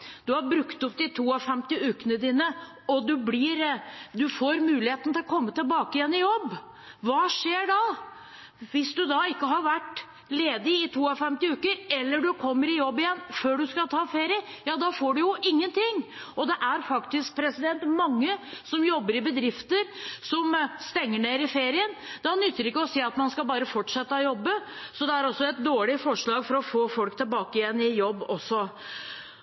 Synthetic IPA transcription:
d̪̥ʉhɑɾbɾʉkt̪ʊp̚d̪ɪt̪ʰuːɑfɛmt̪ɪʉːkənəd̪iːnə | ɔd̪ʉblɪɾd̪ʉfoːɾmʉːlɪheːt̪n̩t̪ʰɪlɔkʰɔmːət̪ɪlbɑːkəɪjɛnːɪjɔbː | ʋɑːʂeːɖɑ | ʋɪsd̪ʉd̪ɑɪkːəɦɑɾʋæʈ | leːd̪ɪɪt̪ʰuːɑfɛmt̪ɪʉːkəɾɛlːəɖʉkʰɔmːəɾɪjɔbːɪjɛnːføːɖʉskɑlt̪ʰɑːfeːɾɪə | jɑːd̪ɑfoːɖʉjʊʔɪŋːənt̪ɪŋː | ɔd̪ɛʔæɾfɑkt̪ɪsk̚pʰɾɛsɪd̪ɛnt̪mɑŋːəsɔmjɔbːəɾɪbəd̪ɾɪft̪əɾsɔmst̪ɛŋːəɳeːɾɪfeːɾɪənd̪ɑnʏt̪ːəɾɪkːəɔsiːɑt̪mɑnskɑlbɑːɾəfɔʈʂɛt̪ːəɔjɔbːə | sɔd̪ɛæɾɔsːɔɛt̪̚d̪oːɭɪfɔʂɭɑːɡfɔɾɔfoːfɔlkt̪ʰɪlbɑːkɪjɛnːɪjɔbːɔsːɔ

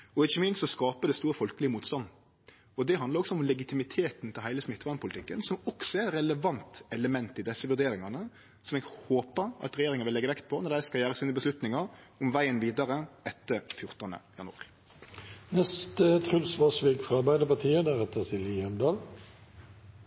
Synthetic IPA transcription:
ɔɪçːəmɪnst̪sɔskɑːpəd̪ɛst̪uːɾəfɔlkəlɪəmuːt̪st̪ɑnː | ɔd̪ɛɦɑnd̪ɾɔksɔɔmlɛɡɪt̪ɪmɪt̪ʰeːt̪nt̪ʰɪlhæɪləsmɪt̪ːʋɑnpʰʊlɪt̪ɪkːənsɔmɔksɔɛɾɛləʋɑnt̪ɛləmɛnt̪ɪd̪ɛsːəʋʉʁd̪eːɾɪŋɑnə | sɔmɛɡhoːpəɾɑ̰t̪ɾɛjeːɾɪŋɑʋɪlɛɡəʋɛkt̪̚pʰɔnɔɖ̪æɪskɑjæːɾəsiːnəbəslʉt̪nɪŋɑɾ | ɔmʋæɪənʋiːd̪ɑɾəɛt̪ːəfjʊʁt̪ənd̪ə̰jɑnɑ̰ʁɪ | nɛst̪ət̪ʰɾʉlsʋɑsʋeːɡfɾɑɑɾbæɪd̪əpɑt̪ʰiːəd̪æʁɛt̪ːəsɪlihɛmd̪ɑːl

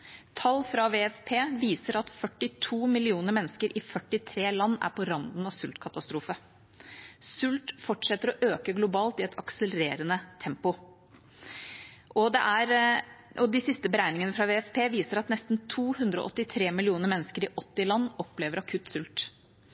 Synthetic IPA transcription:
t̪ʰɑlːfɾɑʋeːɛfpʰeːʋiːsəɾɑt̪fœʈːɪt̪ʰuːmɪlɪuːnəɾmɛnːəskəɾʔɪfœʈːɪt̪ʰɾeːlɑnːæ̰ɾpʰɔɾɑnd̪n̩ɑʋsʉlt̪kʰɑt̪ɑst̪ɾuːfə | sʉlt̪fɔʈʂɛt̪ːəɾɔʔøːkəɡlʊbɑːlt̪ɪɛt̪ʰɑksələɾeːɾənət̪ʰɛmpʊ | ʔɔd̪ɛ̰ʔæɾʔɔd̪ɪsɪst̪əbəɾæɪnɪŋənəfɾɑʋeːɛfpʰeːʋiːsəɾɑt̪nɛst̪nt̪ʰuːhʉnd̪ɾəɔ̰ʔɔt̪ːɪt̪ʰɾeːmɪlɪuːnəɾmɛnːəskəɾɪʔɔt̪ːɪlɑnːɔpleːʋəɾɑkʰʉt̪sʉlt̪

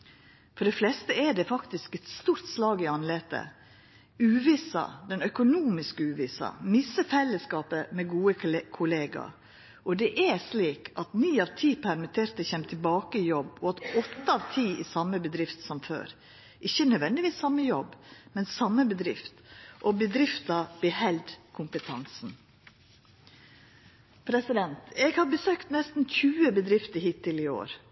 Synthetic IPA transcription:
fɔɖɛflɛst̪əɛɖɛfɑkt̪ɪskɛt̪st̪uːɾt̪slɑːɡɪɑnleːt̪ə̰ | ʉːʋisɑ̰d̪ɛnœkʊnuːmɪskəʉːʋɪːsɑ̰mɪsəfɛlːəskɑːpəmɛɡuːəkʰʊleːɡɑ̰ | ʔɔd̪ɛʔɛsliːkʰɑt̪niːɑʋt̪ʰiːpʰæɾmɪt̪ʰeːɾt̪əçɛmt̪ʰɪlbɑːkəɪjɔbɔɑt̪ɔt̪ːəɑʋt̪ʰiːɪsɑmːəbəd̪ɾɪft̪sɔmfø̰ːɾ | ʔɪçːənœʋɛnd̪ɪʋiːsɑmːəjɔbːmɛnsɑmːəbəd̪ɾɪft̪ʔɔbəd̪ɾɪft̪ɑb̥ɛhɛld̪kʰʊmpət̪ʰɑnsn̩ | pʰɾɛsɪd̪ɛnt̪ɛɡhɑɾbəsøːkt̪nɛst̪n̩çʉːəbəd̪ɾɪft̪əhiːt̪ʰːɪlɪo̰ːɾ

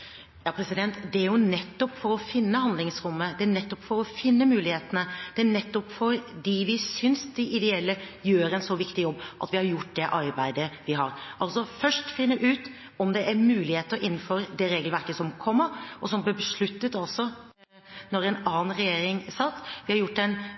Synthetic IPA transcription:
jɑːpʰɾɛsɪd̪ɛnt̪d̪ɛæɾjʊnɛt̪ːɔpfɔɾɔfɪnːəhɑnd̪lɪŋsɾʊmːəd̪ɛænɛt̪ːɔpːfɔɾɔfɪnːəmʉːlɪheːt̪ənəd̪̥ɛænɛt̪ːɔpfɔɾd̪ɪʋɪsʏnsd̪ɛʔɪd̪ɛɛlːəjøːɾɛnsɔʋɪkt̪ɪjɔbːʔɑ̰t̪ʋɪhɑɾjʊʈ̚ːd̪ɛʔɑɾbæɪd̪əʋɪɦɑ̰ɾʔɑlsɔfœʂʈfɪnːəʔʉːt̪ | ɔmd̪ɛʔæɾmʉːlɪheːt̪əɾʔɪnːn̩fɔɾd̪ɛɾeːɡəlʋæɾkəsɔmkʰɔmːəɾʔɔsɔmbəbəʂɭʉt̪ːət̪ɑlsɔ | nɔɾɛnɑːnn̩ɾɛjeːɾɪŋsɑt̪ːʋɪhɑɾjʊʈːd̪ɛn

